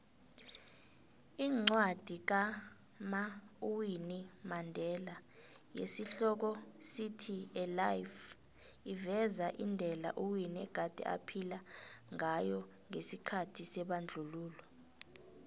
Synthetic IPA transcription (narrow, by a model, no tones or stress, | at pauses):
iːŋ͡ǀwad̥ʱik̬a | mauwinimandʱɛlajḛsiɬɔk̬ɔsitʰiɛlajf | ivɛzaʔindʱɛla̰ʔuwiniɛ̰ɡ̥ʱad̥ʱɛ̰ʔa̰pʰilaŋajɔ | ŋesikʰatʰisɛɓand͡ɮʱuluːlɔ